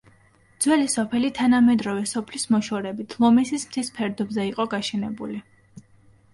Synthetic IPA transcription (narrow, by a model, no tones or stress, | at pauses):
d̪z̥wɛlisɔpʰɛlit̪ʰanamɛd̪ɾɔvɛsɔpʰlismɔʃɔɾɛbit̪ʰlˠɔmɛsismt̪ʰispʰɛɾd̪ɔbzɛiqʼɔɡaʃɛnɛbṵli